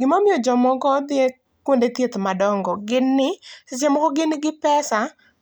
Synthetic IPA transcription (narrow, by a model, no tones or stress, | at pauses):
ɡɪmamɪjɔd͡ʒɔmɔɡɔd̪ɪe | kwondet̪jet̪madɔŋɡɔɡɪnːɪsɪt͡ʃemɔkɔɡɪnɪɡɪpɛsa